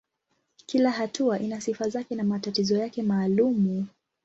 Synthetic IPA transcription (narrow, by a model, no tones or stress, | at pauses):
kilaɦatuaʔinasifazakɛnamatatizɔjakɛmaːlumu